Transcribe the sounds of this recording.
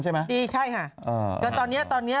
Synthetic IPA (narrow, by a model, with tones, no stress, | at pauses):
nʰa˥˩jma˦˥diː˧t͡ɕʰa˥˩jkʰa˧˩ʔʔə̰ː˧˩ka˧nt̪ɔː˧nːi˦˥ɐt̪ɔː˧nːi˦˥ɐ